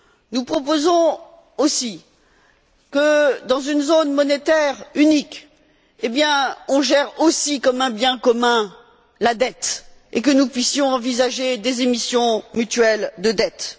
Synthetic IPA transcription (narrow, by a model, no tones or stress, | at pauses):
nupχɔpozɔ̃ | osi | kəd̪ɑ̃zynzonmɔnet̪ɛʁynik | ebjɛ̃ɔ̃ʒɛʁosikɔmɛ̃bjɛ̃kɔmɛ̃ | lad̪ɛt̪ek̬ənupɥisjɔ̃ɑ̃vizaʒed̪ezemisjɔ̃myt̪ɥɛld̪əd̪ɛt̪